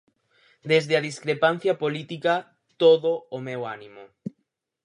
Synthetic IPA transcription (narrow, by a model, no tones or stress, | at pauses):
d̪ezðeaðiskɾepan̟θjapolit̪ika | t̪oðoːmɛwanĩmo